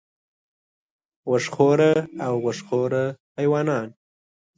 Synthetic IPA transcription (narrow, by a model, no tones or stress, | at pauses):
wəʂχoɾəawwəʂχoɾəhajwɑːnɑːn